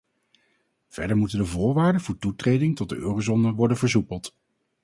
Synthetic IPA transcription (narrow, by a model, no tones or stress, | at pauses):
v̥ɛ̰ɹdəɹmutəndəvʊːɹʋaːɹdəvʊːɹtutrejdɪŋtɔt̚dəøːrozɔnəʋɔɹdənvəɹzupəlˠt